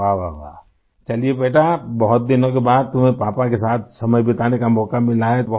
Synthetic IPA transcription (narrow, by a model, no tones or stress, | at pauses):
aːʋaʋa̰ː | t͡ʃɐliebeːʈʰabɐɦʊt̪̚d̪ɪnõkebaːd̪̚t̪ʊmɦẽpaːpakesaːt̪̚ʰsɐməjbɪt̪aːnekamɔːkamɪlaːet̪bɐɦ